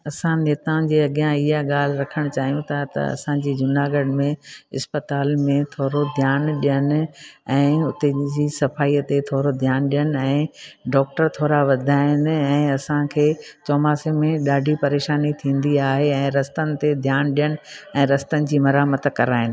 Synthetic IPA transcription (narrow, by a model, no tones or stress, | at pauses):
ɐsãneːt̪ãd͡ʑeːɐɠjãɪɦaɠaːl̤ɪɾɐkʰəɽ̃t͡ɕaːɦijũt̪ʰat̪ɐ̰ɐ̰sãd͡ʑiːd͡ʑʊnaːɡəɖmẽɪspət̪aːlmẽt̪ʰoːɾod̪ʱjaːnɗijənɪ̆ɛ̃ːʊt̪ed͡ʑiːsɐfaːiːət̪et̪ʰoːɾod̪ʱjaːnɗijənɪɛ̃ːɖɔːk̚ʈəɾt̪ʰoːɾaʋɐd̪ʱaːɪnɪ̆ɛ̃ːɐsãkʰeːt͡ɕɔːmaːsemẽɗaːɖʱipɐɾeːʃaːnit̪ʰĩːnd̪iaːɦeɛ̃ːɾɐst̪ənɪ̆t̪ed̪ʱjaːnɗijənɪ̆ɛ̃ːɾɐst̪ənɪ̆d͡ʑiːmɐɾaːmət̪kɐɾaːɦɪnɪ